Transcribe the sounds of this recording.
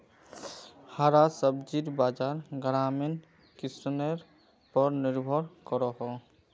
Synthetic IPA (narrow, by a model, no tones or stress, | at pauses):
haɾasəbd͡ʒiɾbaːd͡ʒaːɾɡɾaːmen | kɪsneɾ | pəɾnɪɾbʱɔɾkɔɾɔɦɔ